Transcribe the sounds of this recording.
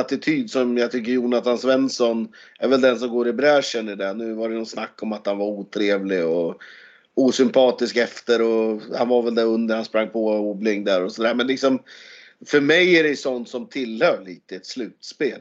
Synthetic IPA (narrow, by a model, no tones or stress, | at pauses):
at̪ɪt̪ʰyːd̪sɔmjɑt̪ʰʏkːəɾjuːnat̪ʰansvɛnsɔnæɾvɛld̪ɛns̬ɔmɡoːɾɪbɾæːʂənɪɖɛnʉ̟ːvaɾɛjnɔnsnakːɔmat̪hanvaɾuːt̪ʰɾeːvlɪɔ | uːsʏmpʰɑːt̪ɪskɛft̪əɾɔhanvaɾvɛld̪æɾɵnd̪əɾhanspɾaŋːpʰɔuːblɪŋd̪æɾɔsɔd̪æːɾmɛnlɪksɔm | fœɾmɛjæɾɛjsɔnt̪sɔmt̪ʰɪlhœːɭiːt̪əɛt̪slʉ̟ːt̪speːl